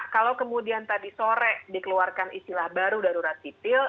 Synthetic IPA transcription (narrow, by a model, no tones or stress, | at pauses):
kalakəmudiant̪adisoɾɛʔdikəluarkanist̪ilahbaɾudaɾuɾat̪̚ːit̪ɪl